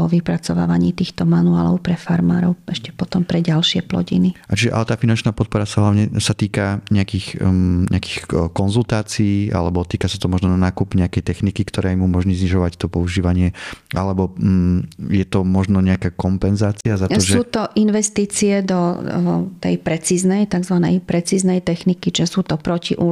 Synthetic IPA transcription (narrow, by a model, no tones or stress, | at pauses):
ɔʋipɾat͡sɔʋa̰ːʋaɲiːt̪iːxt̪ɔmanua̰ːlɔ̰ʊpɾɛfaɾmaːɾɔʊɛʃcɛpɔt̪ɔmpɾɛɟalʃɪɛplɔ̰ɟḭniat͡ʃiʒɛʔa̰lɛt̪aːfinant͡ʃnaːpɔt̪̚pɔɾasaɦlaʊɲɛsat̪iːkaɲɛakixɲɛ̰aki̥xkɔnzult̪aːt͡siiːa̰lɛbɔt̪iːkasat̪ɔmɔʒnɔnanaːkupɲɛakɛjt̪ɛxnikikt̪ɔɾɛːimumɔʒɲiːzɲiʒɔʋact̪ɔpɔuʒiːʋaɲɪɛa̰lɛbɔ | jɛt̪ɔmɔʒnɔɲɛakaːkɔmpɛnzaːt͡siazat̪ɔsʒɛuːt̪ɔʔinʋɛst̪iːt͡siɛd̪ɔ | t̪ɛ̰jpɾɛt͡siːznɛjt̪aɡzʋanɛjpɾɛt͡siːznɛjt̪ɛxnikit͡ʃiʒɛsuːt̪ɔpɾɔciʔu